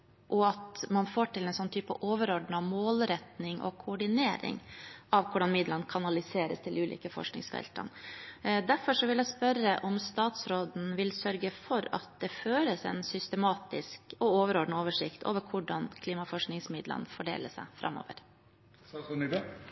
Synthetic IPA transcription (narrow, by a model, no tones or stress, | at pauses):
ʔɔɑt̪mɑnfoːʈɪlɛnsɔnːət̪ʰyːpə̰ʔoːʋəɾɔɖɳɑmoːlɾɛt̪nɪŋʔɔ̰kʰʊːɖɪneːɾɪ̰ŋʔɑʋkʰʊɖɑnmɪd̪lənkʰɑnɑlɪseːɾə̰st̪ʰɪlʉːlʔḭːkəfɔ̰ʂknɪ̰ŋsfɛ̰lt̪ʰɑ̰nd̪æɾfɔʂɔʋɪljæɪspœɾəʔɔmst̪ɑːt̪sɾoːd̪n̩ʋɪlsœɾɡəfɔɾɑ̰t̪̚d̪ɛføːɾəsɛ̰nsʏst̪əmɑːt̪ɪskɔoːʋəɾɔɖɳ̩oːʋəʂɪkt̪ʰo̰ːʋəɾkʰʊɖɑnkʰliːmɑfɔʂknɪŋsmɪd̪lə̰nfɔɖḛːləsæ̰ɪfɾʔɑ̰mːo̰ːʋə̰ɾ